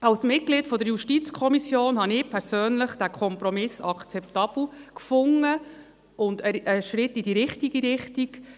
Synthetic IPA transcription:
ɑlsmɪt̚ɡ̥litfɔdəɾjuʃtit͡skʰɔmisjoːnhɑnɪpʰɛɾsøːnləχd̥ækʰɔmpɾɔmɪsɑkt͡sɛptɑb̥l̩kfʊŋːə | ʊndəəʃɾɪtːidiɾɪχtiɡiɾɪχtiɡ

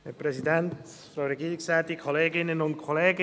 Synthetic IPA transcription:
hɛpɾɛsidɛnt | fɾawɾɛɡiːɾɪksɛːt̪ikʰoleːɡɪnənʊnt̚kʰoleːɡ

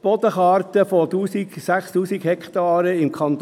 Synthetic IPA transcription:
b̥ɔd̪əχɑːrt̪əfot̪uːsiɡ̥sæχst̪uːsiɡhɛkt̪ɑːɾəɪmkʰɑnt̪

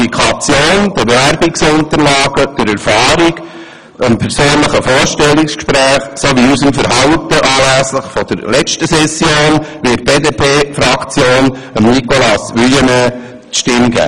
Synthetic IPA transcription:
ikʰɑt͡sjoːnd̥̪əbeʋæɾbiksʊnt̪əɾlɑːɡ̥əd̪̥əɾɛɾfɑːɾiɡ | əmpʰɛɾsøːnləχəfoːɾʃtɛlːikskʃpɾæːχsoʋiusəmfəɾɦɑwtəʔɑːlæsləχfɔd̥əɾlɛt͡ʃtəsɛsjoːnʋɪt̚b̥eːd̪eːpʰeːfɾɑkt͡sjoːn | əmnikɔlɑsʋyjənə | ʃtɪmɡæ̰ː

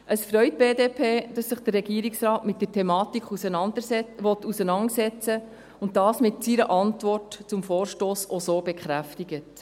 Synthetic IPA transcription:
ʔəsfɾœʏt̚b̥eːdeːpʰeːd̥ɑsːɪχd̥ərrɛɡiːɾɪksɾɑːtmɪt̚d̥əɾtʰɛmɑːtikʰχusənɑndəʋɔtːusənɑŋəsɛt͡sə | ʊntdɑːsmɪtsiɾəʔɑntvɔrtt͡sʊmfoːɾʃtoːsosoːb̥ɛkχɾæftiɡət

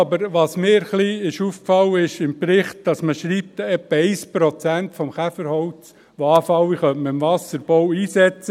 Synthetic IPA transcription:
ɑbəɾʋɑːsmɪːɾχliɪʃufkfɑwːəɪʃɪmpɾɪχt̚d̥ɑsməʃɾiːp̚t̪ɛpːəɛɪspɾɔt͡sæntfɔmχæfəɾhɔʊt͡s | ʋoɑːfɑwiχœtməɪmvɑsəɾb̥ɔwiːsɛt͡sə

